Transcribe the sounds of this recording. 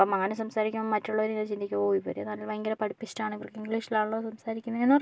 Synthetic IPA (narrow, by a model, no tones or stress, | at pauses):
pomɐŋːɐnesɐmsaːɾikʲːumomːɐtːuɭːɐoɾiŋɐt͡ɕind̪ikʲːɐpoːʋipːo̰ːɾɐnɐlːɐlʋɐjŋɡɐɾɐpɐɽipːit͡ɕːtaːɳɨipːrɐkːɨiŋɡliːʂilaːɳɭːɐðɨsɐmsaːɾikʲːunːɐenːuɐr